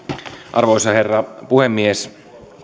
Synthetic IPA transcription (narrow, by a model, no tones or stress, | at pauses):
ʔɑ̰rʋoisɑherːɑpuhemːies